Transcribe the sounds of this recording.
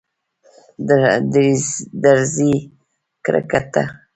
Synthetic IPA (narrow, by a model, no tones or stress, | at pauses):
dd̪d̪aɾzi | kɾa̰kat̪a̰